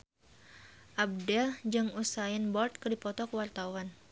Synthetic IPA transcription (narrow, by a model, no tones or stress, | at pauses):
ʔab̚dɛld͡ʒɨŋusainbɔrt̪̚kədipɔt̪ɔkəwart̪awan